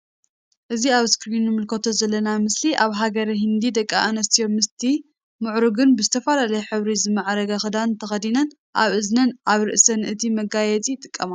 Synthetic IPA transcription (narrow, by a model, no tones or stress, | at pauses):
ʔɨziaβskɾinːɨmɨlkʰot̪ʰo̞zɐlːɐnamɨsliʔaβɦaɡɐɾɐɦɨnd̪id̪ɐkʼːa̰ʔanɐst̪ʰijo̞mːɨst̪ʰi | mɨʕɾuɡɨnbɨzɨt̪ʰɐfalalɐjɛħɨβɾizɨmaʕɾɐɡaxɨd̪ant̪ʰɐxɐd̪inɐn | ʔa̰βʔɨznɐnʔaβɾɨ̰ʔsɐnʔɨt̪ʰimɐɡajɛt͡sʼit̪ʼɨkʼːɐma